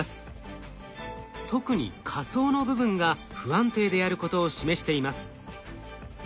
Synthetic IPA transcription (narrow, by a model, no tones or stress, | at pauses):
sɨ̥ | t̪o̞kɯ̟ɲ̟ḭkʰaso̞ːno̞bɯ̟bɯ̟̃ŋɡa | ɸɯ̟ãnt̪e̞ːd̪e̞aɾɯ̟ko̞t̪o̞ːɕime̞ɕi̥t̪e̞imasɨ̥